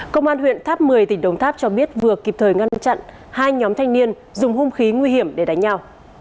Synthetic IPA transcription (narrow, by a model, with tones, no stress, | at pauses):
kə˧wŋ͡mʔaː˧nɦwḭ˧˨ənt̪ʰaː˦˥p̚mɨ˨˩əjt̪ï˧˩ŋ̟ɗə˨wŋ͡mt̪ʰaː˦˥p̚t͡ɕɔ˧ɓi˦˥ət̚vɨ˨˩əki˨˩p̚t̪ʰəː˨˩jŋa˧nt͡ɕa̰˧˨n | haː˧jɲɔ˨˦mt̪ʰjŋ̟ni˧ən | zʊ˨˩ŋ͡mhu˧mxi˨˦ŋwi˧hi˧˩əmɗe˧˩ɗa˨˦ŋ̟ɲa˧w